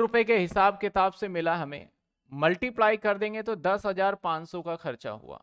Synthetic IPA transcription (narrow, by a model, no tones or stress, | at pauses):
ɾʊpekeɦɪsaːb̚kɪt̪aːbsemɪlaɦɐmḛ̃ | mɐlʈiplaːikɐɾd̪ẽːŋɡet̪od̪ɐsɦɐzaːɾpãːt͡ʃsɔkaxɐɾt͡ʃa̰ɦṵa̰ː